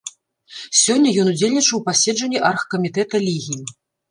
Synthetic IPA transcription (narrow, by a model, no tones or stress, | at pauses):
sʲɔnʲːɐjɔnud͡zʲelʲnʲit͡ʂɐwpasʲɛd͡ʐɐnʲːiʔarxkɐmʲit̪ɛt̪ɐlʲiɣʲiji